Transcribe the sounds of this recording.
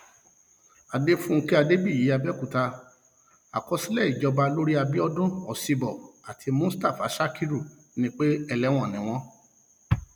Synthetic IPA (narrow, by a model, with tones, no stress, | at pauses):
a˨de˦fũ˦˧ki˦a˧de˦bi˦˨i˨˦a˧bɛ˦ku˨ta˧ | a̰˨kɔ˧si˦lɛ˦˨i˨d͡ʒɔ˧ba˧lo˦ɾi˦a˧bi˦ɔ˧dũ˦ɔ˨si˧bɔ˨a˨tʰi˧˦mũ˦sta˦˨fa˨˦ʃa˦ki˦ɾu˦˨ | nĩ˦k͡pe˦ɛ˧lɛ˨˦w̃ɔ̃˦˨nĩ˨w̃ɔ̃˦